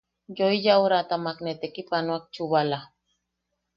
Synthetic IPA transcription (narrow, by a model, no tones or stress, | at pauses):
joijaoɾat̪amaknet̪ekipanuak̚t͡ʃuβala